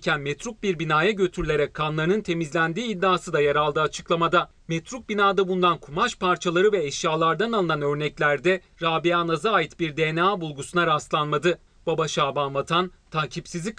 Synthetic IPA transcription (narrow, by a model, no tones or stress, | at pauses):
cʰænmɛt̪ʰɾuk̚biɾbinaːjaɟø̞t̪ʰyɾylʲe̞ɾɛckʰːanlˠaɾɯnɯnt̪ʰe̞mizlʲænd̪iːd̪ːaːsɯd̪ajaɾalˠd̪ɯːat͡ʃʰɯ̥klˠamad̪a | met̪ɾuk̚binaːd̪abund̪ankʰumaʃpaɾt͡ʃʰalˠaɾɯvɛɛʃjaːlˠaɾd̪analˠɯnanø̞ɾnɛclʲæɾd̪ɛ | ɾaːbiaːnazaːjit̪biɾd̪eːnaːbulˠɡusunaɾast̪lˠanmad̪ɯ | b̥abaʃaːbanvat̪ʰan | t̪ʰaːcʰipsizlʲic